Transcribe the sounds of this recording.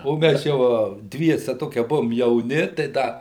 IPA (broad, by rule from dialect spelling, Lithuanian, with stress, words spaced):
oː ˈmʲæs jɛʊ ɐ ˈdʲʋʲiɛsʲɛ ˈtoːkʲiɛ ˈbʊʋoːm jɛʊˈnʲɪ tɐɪ ˈdɐ